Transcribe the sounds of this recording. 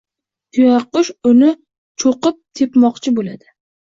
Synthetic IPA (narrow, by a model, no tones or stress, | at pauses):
t̪ʰʊjɑqʊʃʊnɪ | t͡ʃʰoqɨp̚t̪ʰe̞pmɒqt͡ʃʰɪbolad̪ɪ